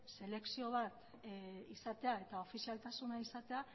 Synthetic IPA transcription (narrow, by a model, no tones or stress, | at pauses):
se̞le̞ksio̞β̞at̪ | isat̪e̞ae̞t̪ao̞fisialt̪asunaisat̪e̞a